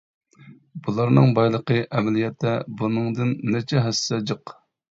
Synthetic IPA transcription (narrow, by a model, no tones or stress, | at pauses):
bulˠɑɾnɨŋbɑjlˠəqəʔɛmɛlijɛt̪ʰːɛbunɨŋd̪ɨnːɛt͡ʃʰɛɦɛsːɛd͡ʒəq